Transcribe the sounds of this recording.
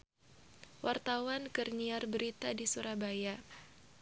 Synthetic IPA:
wʔart̪awankərɲiarbəɾit̪adisuɾabaja

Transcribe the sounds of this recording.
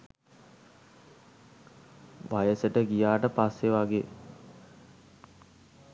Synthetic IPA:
ʋajəsəʈəɡijaːʈəpasːeʋaɡeː

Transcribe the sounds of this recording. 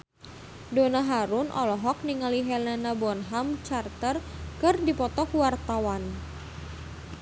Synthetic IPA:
donaɦaɾʊnʔɔ̰lɔɦɔk̚niŋaliɦɛlanabɔnɦamt͡ʃart̪ərkɨrdipɔt̪ɔkwart̪awan

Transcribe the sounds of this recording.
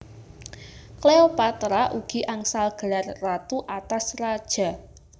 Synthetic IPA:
kleopat̪ɾaʔuɡ̥i̤ʔaŋsalɡ̥ə̤larːat̪uʔat̪asrad̥ʒ̥a̤

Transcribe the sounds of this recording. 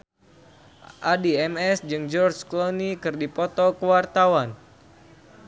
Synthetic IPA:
ʔadiɛmɛsd͡ʒɨŋd͡ʒɔrd͡ʒklonikɨrdipɔt̪ɔkəwart̪awan

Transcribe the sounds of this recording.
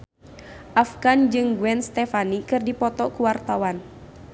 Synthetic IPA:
ʔafɡand͡ʒɨŋɡuɛnst̪ɛfanikɨrdipɔt̪ɔkuwart̪awan

